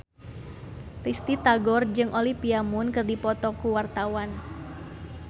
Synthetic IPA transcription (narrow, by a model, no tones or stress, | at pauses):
rist̪it̪aɡɔrd͡ʒɨŋʔolipiamunkɨrdipɔt̪ɔkuwart̪awan